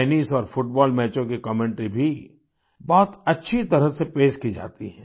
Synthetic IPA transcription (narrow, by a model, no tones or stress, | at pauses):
ɛːnisɔːɾfʊʈ̚bɔːlmɛːt͡ʃõkikɔmẽːɳʈɾibʱi | bɔːt̪ɐtːʃʰit̪ɐɾəsepeːʃkid͡ʒa̰ːt̪iɦɛ̃ː